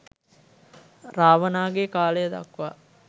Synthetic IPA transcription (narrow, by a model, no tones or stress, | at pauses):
raːʋənaːɡekaːləjəd̪a̰kːʋa̰